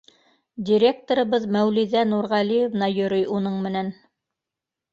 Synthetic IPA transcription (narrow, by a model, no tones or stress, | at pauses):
dʲiɾʲek̚t̪oɾɤ̆βɤðmæwliðænuɾʁælijovnɑjɵ̆ɾɵjunɤɴmɘ̆næn